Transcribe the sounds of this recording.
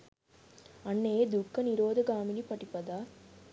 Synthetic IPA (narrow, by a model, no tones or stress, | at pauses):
ɐnːeːd̪ukːɐniɾoːd̪ɐɡaːminipɐʈːipːɐd̪aː